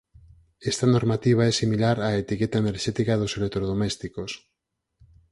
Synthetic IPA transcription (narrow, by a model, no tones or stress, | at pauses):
est̪anoɾmat̪iβ̞aesimilaɾaet̪iket̪aeneɾʃet̪ikaðoselek̚t̪ɾoð̞omest̪ikos